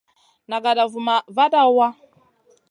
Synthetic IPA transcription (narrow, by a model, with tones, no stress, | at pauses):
na˨ɡa˨da˨vu˨ma˨va˦ɗa˦wa˦